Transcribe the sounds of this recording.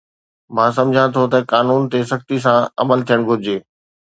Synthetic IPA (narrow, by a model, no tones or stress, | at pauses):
mãːsɐ̃md͡ʑʱãt̪ʰot̪ɐkaːnuːnt̪esɐkt̪is̬ãɐ̰məlt̪ʰijəɽ̃ɡʱʊɾɪd͡ʑeː